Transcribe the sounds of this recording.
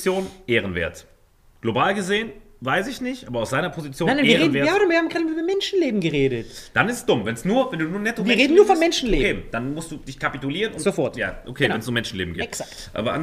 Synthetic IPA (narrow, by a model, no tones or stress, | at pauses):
t͡sjoːnʔeːʁ̞ənvḛːɐt | ɡ̥lobaːlɡəzeːən | vaɪsɪçnɪçtʔaːbɐaʊsz̥aɪnɐpʰozit͡sjoːnanaiɐːʁːnveɐaviːɐhaːmɡaːlmyːbɐmɛnʃn̩leːbm̩ɡəʁeːɾətd̥anɪstsd̥ʊmvɛnsnuːɐvɛnduːnuːɐnɛtovɐʁeːdn̩nːuːɐfɔnmɛnʃn̩leːkeːd̥anmʊstd̥uːd̥ɪçkʰapitʊliːʁənʊzofɔɐtja̰ːʔokʰeːvɛnsnuːɐmɛnʃn̩lḛːbm̩ɡḭːtsak | ʔa̰ːbɐʔa̰n